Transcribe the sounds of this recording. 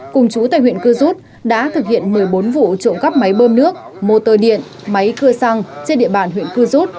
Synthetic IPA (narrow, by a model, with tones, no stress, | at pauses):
kʊ˨˩ŋ͡mt͡ɕu˨˦t̪a̰ː˧˨jhwḭ˧˨ənkɨ˧zu˦˥t̚ | ɗa̰ː˧˥t̪ʰɨ˨˩k̚hḭ˧˨ənmɨ˨˩əjɓo˨˦nvṵ˧˨t͡ɕo̰˧˨nkə˦˥p̚ma˨˦jɓəː˧mnɨ˦˥ək̚ | mo˨˩t̪əː˨˩ɗḭ˧˨ən | ma˨˦jkɨ˧əsa˧ŋt͡ɕe˧nɗḭ˧˨əɓaː˨˩nɦwḭ˧˨ənkɨ˧zu˦˥t̚